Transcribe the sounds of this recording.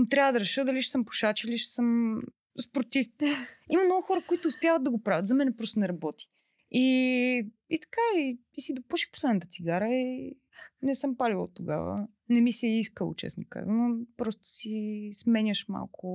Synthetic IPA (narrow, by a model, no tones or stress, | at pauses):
t̪ɾʲavəd̪ɐɾɛʃɤd̪ɐliʃɛ̥səmpo̥ʃat͡ʃiliʃɛ̥sɤm | spoɾt̪ist̪imɐmnɔɡʊxɔɾəkʊit̪ʊːspjavət̪̚d̪ɐɡopɾavət̪zɐmɛnɛpɾɔst̪onɛɾɐbɔt̪i̥ | i | it̪ɐ̥kaiisid̪opuʃi̥xpo̥slɛd̪nət̪ət̪siɡaɾəi | nɛsɤmpalʲilˠo̰t̪ːoɡa̰və̰ | nɛmisiiskəl̰ˠt͡ʃɛ̰sno̰ka̰zənopɾɔst̪ʊ̥sismɛɲʲəʃma̰lˠkʰʊ